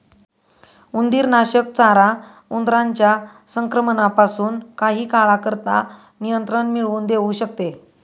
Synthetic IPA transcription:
und̪iːɾnaɕəkt͡saɾa | und̪ɾaɲt͡ɕja | səŋkɾəmənapasuːnkaɦiːkaɭakəɾt̪a̰ | nijənt̪ɾənmiɭuːnd̪eʋuɕək̚t̪e

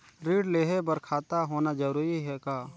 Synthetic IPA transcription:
ɾiːɖleːɦebɐɾkʰaːt̪aɦoːnad͡ʒɐɾuːɾiɦɛkaː

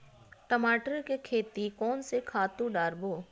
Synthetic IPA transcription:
ʈəmaːʈəɾkekʰeːt̪ikɔːnsekʰaːt̪ũɖaːɾboː

